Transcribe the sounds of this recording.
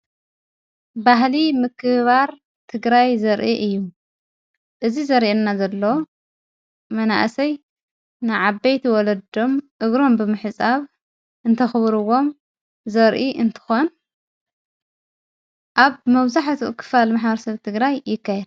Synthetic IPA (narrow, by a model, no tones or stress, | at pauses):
baɦlimɨkʰːɨβaɾ | t̪ʰɨɡɾajzɐɾʔiʔɨjːu | ʔɨzizɐɾiʔenːazɐlːo | mɐna̰ʔsɐj | nɨʕabːejt̪ʰiwɔlɐd̪o̞mʔɨɡɾo̞mbɨmɨħɨsʼaβ | ʔɨnt̪ʰɐxɨβɾɨwo̞m | zɐɾʔiɨnt̪ʰɨ̥xon | ʔaβmɐβzaħt̪ʰuʔɨkʰːɨ̥falmaħbɐɾɐsɐβt̪ʰɨɡɾajːɪkːajɛd̪